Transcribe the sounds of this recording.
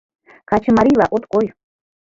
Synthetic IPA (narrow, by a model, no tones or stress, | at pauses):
kat͡ʃɪmaɾilaʔot̪kʼoj